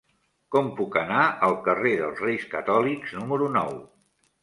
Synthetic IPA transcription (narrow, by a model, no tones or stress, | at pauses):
kɔmpukənaʔəlˠkəreðəlˠzrejskət̪ɔlikznuməɾunɔw